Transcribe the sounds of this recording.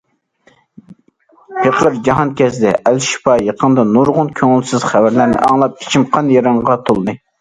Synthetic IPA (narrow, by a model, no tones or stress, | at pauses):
pʰeqlˠɨɾd͡ʒɑɦɑnkʲɛsd̪ɛʔælʃi̥pʰɑjɑqʰənd̪ɑnuɾʁʊnkʲʰøŋɪlsɪz̥χævæɾlæɾnɪ̰ʔɑŋlˠɑp̚kʰʲi̥t͡ʃʰimqʰɑnjɑɾɑɴʁɑt̪ʰolˠd̪ɨ